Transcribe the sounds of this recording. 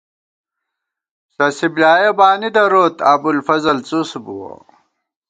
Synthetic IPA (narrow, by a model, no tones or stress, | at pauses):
sɐsiblaːjebaːnid̪ɐɾoːt̪aːbulfɐzɐlt͡susbuwo̰